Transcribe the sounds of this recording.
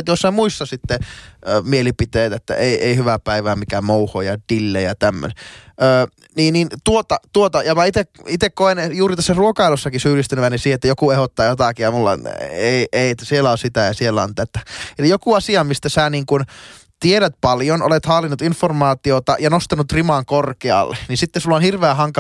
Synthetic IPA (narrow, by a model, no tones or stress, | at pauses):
t̪jossæmuistːɑsit̪ːemielipit̪eːt̪æet̪ːæ̰ʔeˑiʔeihyʋæpæiʋæːmikæmouhojɑd̥ilːejɑt̪æmːø̰nʔəː | niːnint̪uot̪ɑt̪uot̪ɑjɑmæit̪ekit̪ekkoenjuːrit̪æsːæruokɑilusːɑkisyːlist̪ænyʋænesiːhet̪ːæjokuehot̪ːɑːjot̪ɑkijɑmulːɑ̰eˑieiet̪ːæsielːæonsit̪æjɑsielːæo̰nt̪æt̪æelijokuɑsiɑmist̪æsæniːŋkun | t̪ieɾæt̪̚pɑljono̰let̪hɑːlːinːut̪informɑːt̪iot̪ɑ̰jɑnost̪ɑnut̪rimɑŋkorkeɑ̰lːenisit̪ːesulːonhirʋeæhɑŋkɑ